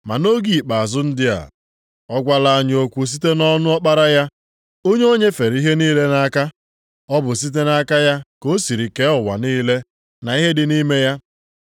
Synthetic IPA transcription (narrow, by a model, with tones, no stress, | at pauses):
ma̰˨no˦ɡi˨i˨k͡pa˨a˨zʊ˦n̩˦dɪ˦a̰˨ | ɔ˦ɡʷa˦la˦a˦˨ɲ˨o˨kʷu˨s̬i˦te˦nɔ˦nʊ˦ɔ˦k͡pa˦ɾa˦ja˦ | o˦ɲe˦o˦ɲe˦fe˨ɾi˦ɦe˦niː˦le˦na˨˦ka˦ | ɔ˦bʊ˨s̬i˦t̬e˦na˦ka˦ja˦ko˦si˨ɾi˨ke˦ʊ˨wa̰˨niː˦le˦ | na˨i˦ɦe˦dɪ˨ni˦me˦ja˦